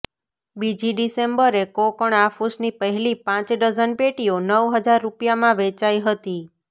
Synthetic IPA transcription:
bid͡ʒiɖisembəɾekokəɳafusnipəɦɛlipãt͡ʃɖəd͡ʒənpeʈionəʋɦəd͡ʒaɾːupjamãʋet͡ʃaiɦət̪i

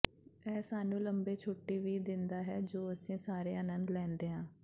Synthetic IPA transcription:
ɛːsaːnũːləmbeːt͡ʃʰoːʈːiːʋiːd̪ɪnd̪aːɦɛːd͡ʒoːəsĩːsaːɾeːənə̃nd̪lɛ̃ːnd̪eːɦãː

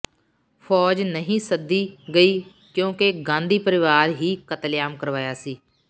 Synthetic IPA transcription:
pʰɔːd͡ʒnəɦĩːsəd̪ːiːɡəiː | kjõːkeɡãːnd̪iːpəɾɪʋaːɾɦiːkət̪ljaːmkəɾʋaːjaːsiː

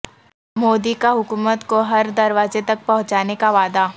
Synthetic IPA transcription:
moːd̪ikaɦʊkuːmət̪koɦɐɾd̪ɐɾʋaːzet̪ɐk̚pɐɦʊ̃t͡ʃaːnekaʋaːd̪aː

